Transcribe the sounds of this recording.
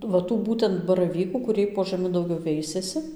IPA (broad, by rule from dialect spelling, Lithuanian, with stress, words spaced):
ʋɐ ˈtuː ˈbuːtʲɛnt bɐrɐˈʋʲiːkuː kʊˈrʲiɛj poː ʒɐˈmʲɪ dɐʊˈɡʲɛʊ ˈʋʲɛɪsʲɛsʲɪ